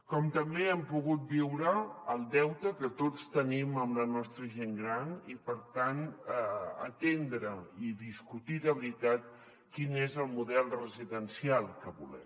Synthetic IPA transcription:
kɔmt̪əmbeɛmpuɣut̪̚biwɾəəlˠd̪ɛwt̪əkət̪ott͡st̪əniməmlənɔst̪ɾəʒeŋɡɾanipəɾt̪an | ə̰t̪end̪ɾəiðiskut̪iðəβɾit̪at̪ | kinezəlˠmuðɛlˠrəziðənsialˠkəβṵlɛ̰m

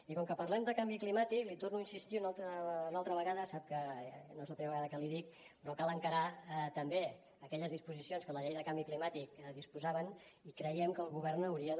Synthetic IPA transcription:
ikɔŋkəpərlɛmd̪əkambiklimat̪iklit̪ornuinsist̪iunalˠt̪əunalˠt̪ɾəβəɣaðəsap̚kənoezləpɾimeɾβɣaðəkəliðik̚ | pɾɔkalˠəŋkəɾat̪əmbe | əkɛʎəzðispuzisionskələʎɛjðəkambiklimat̪ikðispuzaβənikɾəjɛmkəːlˠɣuβɛrnəwɾiə

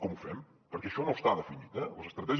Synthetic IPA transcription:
kɔmufɛm | pəɾkɛəʃɔnost̪aðəfinit̪ɛləzəst̪ɾət̪ɛʒ

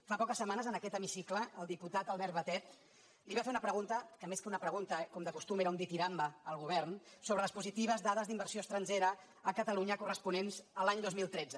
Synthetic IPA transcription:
fapɔkəsːəmanəzənəkɛt̪əmisikləːlˠd̪iput̪at̪əlˠβɛɾt̪βət̪ɛt̪̚ | liβafeunəpɾəɣunt̪əkəmeskəunəpɾəɣ̞unt̪əkɔmd̪əkust̪umeɾəund̪it̪iɾambəəlˠɣuβɛrnsoβɾələspuzit̪iβ̞əzdaðəzðimbərsioəst̪ɾənʲd͡ʒeɾə | əkət̪əluɲəkurəspunenzəlaɲd̪ozmilˠt̪ɾɛd͡zə

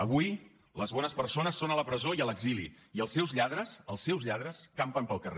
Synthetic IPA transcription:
əβuj | ləzβɔnəspəɾsonəsːonələpɾəzoiələɡzilḭiəlˠsɛwzʎað̞ɾəsəlˠsːɛwzʎað̞ɾəskampəmpəlˠkəre

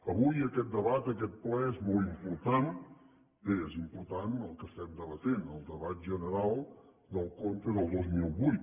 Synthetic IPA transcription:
əβujəkɛt̪̚d̪əβat̪əkɛt̪̚plɛezmɔlˠimpuɾt̪an | eezimpuɾt̪anəlˠkəsɛt̪̚d̪əβət̪enəlˠd̪əβat̪̚ʒənəɾalˠ | d̪əlˠkont̪əðəlˠd̪ozmiwβujt̪

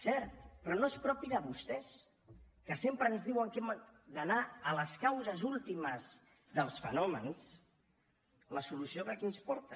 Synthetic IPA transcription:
sɛɾt̪pɾɔnoespɾɔpiðəβust̪ɛs | kəsempɾəːnzðiwəŋkemd̪ənaələskawzəzulˠt̪iməz | ðəlˠsfə̰nɔməns | ləsulusiokəkinspɔɾt̪ə

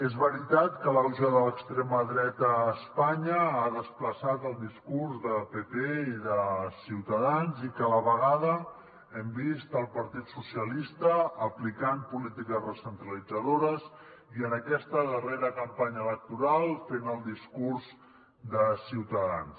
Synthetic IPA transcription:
ezβəɾit̪at̪kələruzoðələkst̪ɾeməðɾɛt̪əːspaɲəaðəspləsat̪əlˠd̪iskurzðəpepeiðəsiwt̪əðanzikələβəɣaðə | ɛmbist̪əlˠpəɾt̪it̪susijəlist̪əːplikampulit̪ikəzrəsənt̪ɾəlid͡zəðoɾəziənəkɛst̪əðəreɾəkəmpaɲəːlək̚t̪uɾalˠfenəlˠd̪iskuɾz | d̪əsiwt̪əðans

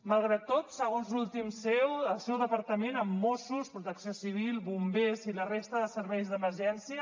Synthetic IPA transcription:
məlˠɣ̞ɾat̪ːot̪səɣonzlulˠt̪imsɛwəlˠsewðəpəɾt̪əmenəmːosuspɾut̪əksiosiβ̞ilˠβumbezilərest̪əðəsəɾβɛjzðəməɾʒɛnsiə

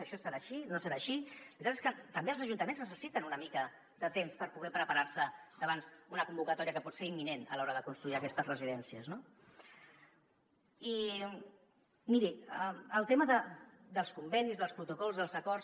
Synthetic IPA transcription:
əʃɔsəɾaʃinosəɾaʃiɾit̪at̪e̥skət̪əmbeəlˠzəʒunt̪əmenznəsəsit̪ənunəmikə | d̪ət̪emspəɾpuɣɛpɾəpaɾaɾsəd̪əβansunəkumbukət̪ɔɾiəkəpɔt̪seɾimːinenə̰lɔɾəðəkunst̪ɾuiəkɛst̪əzrəziðɛnsiəzno | i | miɾiəəlˠt̪eməðə | d̪əlˠskumbɛnizðəlˠspɾut̪ukɔlˠzðəlˠzəkɔrs

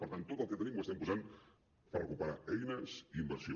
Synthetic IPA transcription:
pəɾt̪ant̪ːot̪əlˠkət̪ənimwəst̪ɛmpuzan | pərə̰kupəɾa̰ɛjnəsiimbəɾsio

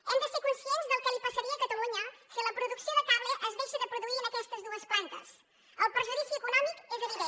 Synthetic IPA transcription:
ɛmd̪əsekunsienzðəlˠkəlipəsəɾiəkət̪əluɲəsiləpɾuðuksioðət̪aβleʔəzðeʃəðəpɾuðuiɾənəkɛst̪əzðuəsplant̪əs | əlˠpɾəʒuðisjuəkunɔmikezəβiðe

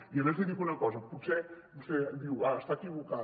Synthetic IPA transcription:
iaβɛzðeðikunɐkɔzəput̪sɛ | bust̪ɛd̪iwaəst̪akiβuka

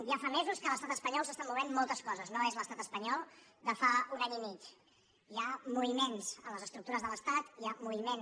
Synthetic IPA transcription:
jafamezuskələst̪at̪əspəɲɔlˠs̬əst̪amːuβ̞emmːɔlˠt̪əskɔzəznoezləst̪at̪əspəɲɔlˠd̪əfaunaɲimit͡ʃ | iamuβimenz̥ənləzəst̪ɾuk̚t̪uɾəzðələst̪at̪iamuβimen

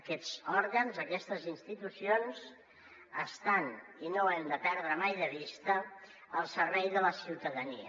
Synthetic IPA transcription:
kɛz̥ɔɾɣənzəkɛst̪əzinst̪it̪usionz | əst̪aninoɛmd̪əpɛɾðɾəmajðəβ̞ist̪ə | əlˠsəɾβɛjðələsiwt̪əðəniə̰

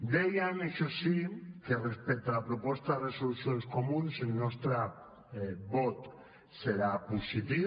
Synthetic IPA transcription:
d̪ejaneʃosikerespek̚t̪alapɾopost̪aresolusjonskomũnsenːost̪ɾa | βot̪ | seɾapusit̪i

